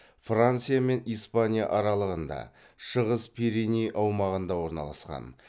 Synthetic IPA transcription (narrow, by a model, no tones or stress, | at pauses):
frant̪sɨjame̞nijspanʲija̰ʔɑɾɑlˠəʁənd̪ɑ̰ | ʃəʁəspʰiɾinʲijʔɑwmɑʁənd̪ɑwo̞ɾnɑ̰lˠɑ̰sqɑ̰n